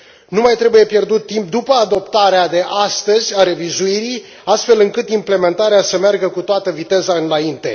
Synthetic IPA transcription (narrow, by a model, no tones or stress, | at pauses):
numajt̪ɾe̞buje̞pje̞rd̪ut̪ːimp̚d̪upəad̪o̞pt̪aɾead̪e̞ʔast̪əzʲaɾe̞vizuiɾij | ast̪fe̞lɨŋkɨt̪imple̞me̞nt̪aɾeasəmearɡəkut̪oat̪əvit̪e̞zaɨnaint̪e̞̰